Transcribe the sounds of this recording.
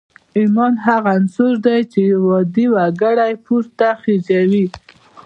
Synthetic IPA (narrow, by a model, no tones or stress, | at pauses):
imɑnɦaɣansʊɾd̪ajt͡ʃewɔd̪iwaɡaɽajpuɾt̪axid͡ʒawi